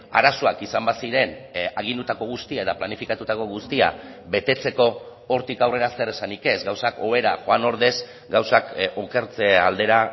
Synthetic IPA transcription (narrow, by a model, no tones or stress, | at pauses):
a̰ɾasoakisambasiɾe̞naɣ̞ind̪ut̪ako̞ɣ̞ust̪iaet̪aplanifikat̪ut̪ako̞ɣust̪ia̰βe̞t̪e̞t͡se̞ko̞ː | ɾt̪ikawre̞ɾaseɾesanike̞zɡawsako̞βe̞ɾaxo̞ano̞ɾðe̞s | ɡawsakoke̞ɾt͡seald̪e̞ɾa